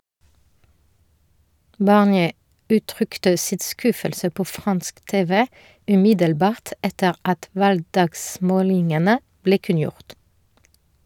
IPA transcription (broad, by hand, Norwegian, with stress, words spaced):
bɑʁnˈjeː ˈʉːˌtʁʏktə ˈsɪt ˈskʉfəlsə ˈpoː ˈfʁɑnsk ˈteːʋə ʉˈmɪdəlˌbɑːʁt ˈɛtəʁ ˈɑt ˈʋɑlɡˌdɑːɡˌsmoːlɪŋənə ˈbleː ˈkʉnˌjʊʁt